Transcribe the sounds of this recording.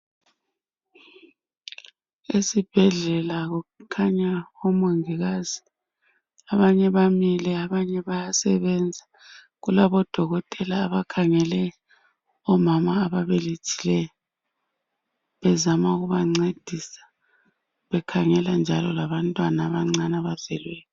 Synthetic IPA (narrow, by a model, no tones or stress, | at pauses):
esib̥ʱɛɮɛlaɣukʰaɲaɣɔmoŋiɣazi | aβaɲɛβamilɛaβaɲɛβajasɛβɛnd͡zʱa | ɣulaβɔd̥ʱɔɣɔtʼɛlaːβakʰaŋɛlɛ | ɔmamaːβaβelit͡ʃʰʼi̥lɛjɔ | βɛzamauɣuβaŋ͡ǀed̥ʱisḁ | βɛkʰaŋɛland͡ʒʱalɔlaβantʼwanaːβaŋ͡ǀanaβav̥ɛlwɛːjɔ